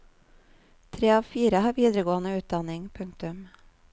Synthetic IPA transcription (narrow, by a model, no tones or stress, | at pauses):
t̪ʰɾeːɑːʋfiːɾəhɑːɾʋiːd̪əɾəɡoːənəʉːt̪̚d̪ɑnɪŋpʰɵŋk̚t̪ʉm